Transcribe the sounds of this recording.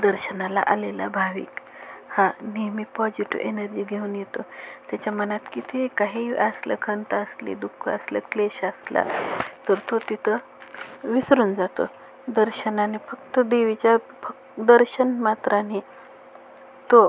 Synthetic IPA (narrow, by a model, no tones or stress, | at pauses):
d̪əɾɕənala̰ʔalela̰bʱaʋḭːk | hanemipɔd͡ʑiʈṵʔenəɾd͡ʑiːɡʱeuːnjet̪ot̪jat͡ɕamənat̪kit̪ʰekaɦiːəslə̰kʰəɳt̪aəslḭd̪ukʰːəəslə̰kleɕəsla̰t̪əɾt̪ot̪it̪ʰə | ʋisɾuːnd͡zat̪o̰ | d̪əɾɕənanifəkt̪əd̪eʋit͡ɕja | fək̚ | d̪əɾɕənmat̪ɾani | t̪o